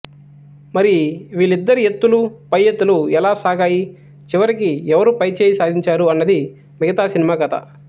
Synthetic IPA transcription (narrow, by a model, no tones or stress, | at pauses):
mɐɾiiʋiːɭid̪ːɐɾije̞t̪ːulupɐjːet̪ːuluɛlaːsaːɡaːji | t͡ʃiʋɐɾikiɛʋɐɾupɐjt͡ʃeːjisaːd̪ʱiɲt͡ʃaːɾuɐnːɐd̪i | miɡɐt̪aːsinimaːɡɐt̪ɐ̰